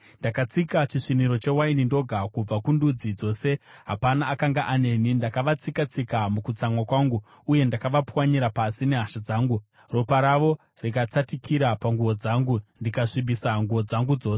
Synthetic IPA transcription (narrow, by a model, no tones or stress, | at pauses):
ndakat͡sikat͡ʃiʂiniɾo̞t͡ʃe̞wainindo̞ɡʱakub͡vakundud͡zid͡zo̞ːse̞ɦapanaːkaŋɡaʔane̞nindakaʋat͡sikat͡sikamukut͡samwakwaːŋɡu | uje̞ndakaʋapwaɲiɾapasine̞ɦaʃad͡zaːŋɡu | ropaɾaʋo̞ | rikat͡satikiɾapaŋɡuʋo̞d͡zaːŋɡundikaʂiɓisaŋɡuʋo̞d͡zaŋɡud͡zo̞ːse